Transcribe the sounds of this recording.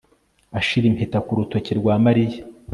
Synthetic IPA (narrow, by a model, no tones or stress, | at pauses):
aʃiɾimpʰetakuɾuto̞ceɾɡwaːmaɾija